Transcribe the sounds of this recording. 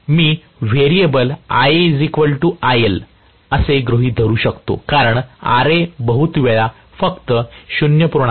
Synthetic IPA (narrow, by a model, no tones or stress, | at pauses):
miː | ʋeɾiebəla̰jd͡zikʋəlʈuajəl | əseɡɾoɦiːd̪ʱəɾuːɕəkt̪o̰kaɾəɳa̰ɾebəɦut̪ʋela | fəkt̪əɕunjəpuɾɳa